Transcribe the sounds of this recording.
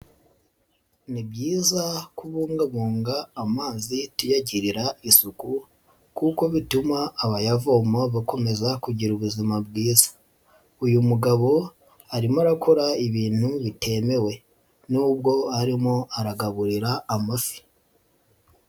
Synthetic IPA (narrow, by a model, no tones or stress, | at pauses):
nibjiːzakuβuːŋɡaβuːŋɡaːmaːzitujaɟiɾiɾaisuku | kuko̞βitumaːβajavoːmoβako̞me̞zakuɟiɾuβuzimabɡiːzḁ | ujumuɡaβo̞ | aɾimoaɾakʰo̞ɾaiβiːn̥huβite̞me̞we̞ | nuːbɡo̞haɾimoaɾaɡaβuɾiɾaːmafi̥